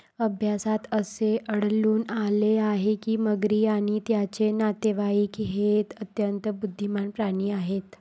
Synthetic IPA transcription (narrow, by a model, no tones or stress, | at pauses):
əbʱjasat̪əseʔəɽ̤luːnaleaɦekiːməɡɾiːaɽ̃it̪jat͡ɕenat̪eʋaiːkɦet̪ət̪jənt̪bud̪ʱːimanpɾaɽ̃iːaɦet̪